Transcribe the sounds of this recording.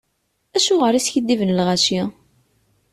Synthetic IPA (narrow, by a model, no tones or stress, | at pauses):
æʃʊʁəɾisçəd̪ːivənlʁæʃi